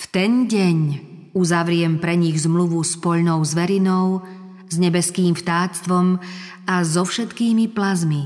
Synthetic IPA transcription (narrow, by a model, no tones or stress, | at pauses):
ft̪ɛnɟɛɲ | uzaʋɾɪɛmpɾɛɲiɣzmluʋuspɔʎnɔʊzʋɛɾinɔʊ | zɲɛbɛskiːmft̪aːt͡st̪ʋɔm | azɔfʃɛt̪kiːmiplazmi